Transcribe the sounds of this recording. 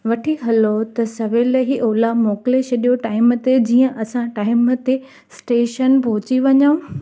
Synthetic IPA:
ʋɐʈʰiɦɐlot̪ɐsɐʋelɦiʔoːlamoːkɪlet͡ɕʰɐɗijoʈaːɪmt̪ed͡ʑiːə̃ʔɐsãʈaːɪmt̪e | sʈeːʃənpɔɦʊt͡ɕiʋɐɲaũ

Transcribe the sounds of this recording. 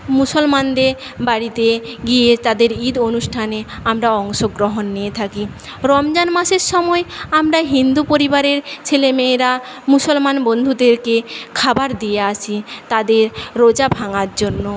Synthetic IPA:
musolmand̪eɾ | baɾit̪eɡijet̪ad̪eɾid̪onuʃʈʰaneamɾaɔŋʃoɡɾoɦonːijet̪ʰaki | ɾɔmd͡ʑanmaʃeɾʃɔmɔeamɾaɦind̪upoɾibaɾeɾt͡ɕʰelemeːɾa | musolmanbond̪ʱud̪eɾkekʰabaɾd̪ijeat͡ɕʰit̪ad̪eɾːod͡ʑabʱaŋaɾd͡ʑonːo

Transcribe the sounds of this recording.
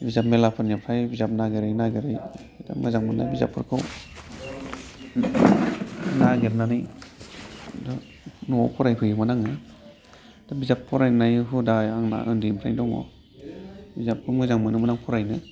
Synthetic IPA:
bizap̚melapʰɯnapʰɾajbizap̚naɡeɾajnaɡeɾaj | da̰mɯ̰zaŋmɯna̰jbiza̰pʰːɯɾkʰɯw | naɡeɾnanij | dɔ | nɔwawpʰɔɾajpʰɯjɯmɯnaŋɯ | d̥abizapʰːɔɾajnajɦɯdajaŋna̰ʔɯndimpʰɾajdɔŋɔ̰ | bizap̚ʰːɯmɯzaŋmɯnɯmɯnaŋpʰɔɾajnɯ

